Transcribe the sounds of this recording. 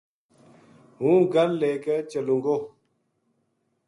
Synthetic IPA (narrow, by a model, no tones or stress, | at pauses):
ɦũɡalːɛkɛt͡ʃəluŋɡo